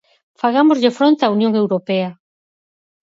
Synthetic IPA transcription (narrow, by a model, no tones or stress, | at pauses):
faɣamozʎefɾont̪eaunjoŋewɾopɛɐ